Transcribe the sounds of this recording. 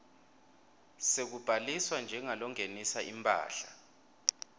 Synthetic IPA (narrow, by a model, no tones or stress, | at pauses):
sek̬ub̥ʱaliswand͡ʒʱɛŋalɔŋenisaʔimpʼa̰ːɬa